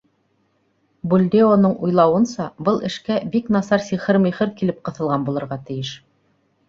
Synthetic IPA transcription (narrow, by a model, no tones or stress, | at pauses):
bulʲd̪eonɤɴujlˠɑwɤ̆nsɑbɤlˠʔɘ̆ʃkæbiknɑsɑɾsʲiχɘɾmiχɘɾkilɘp̚qɤ̆θɤ̆lˠʁɑnbulˠɤ̆ɾʁɑt̪ɘ̆jɘʃ